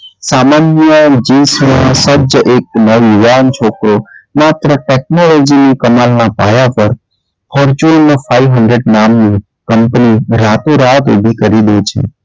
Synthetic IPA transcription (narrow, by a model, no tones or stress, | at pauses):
samanjəd͡ʒisinãsəd͡ʒʔek̚nəʋuʋant͡ʃʰokɾomat̪ɾəʈek̚nolɔd͡ʒinikəmalnapa̰japəɾ | pʰɔɾt͡ʃuonːofaiʋɦəɳɖɾeɖnamni | kəmpniɾat̪oɾat̪ubʱikəɾid̪et͡ʃʰḛ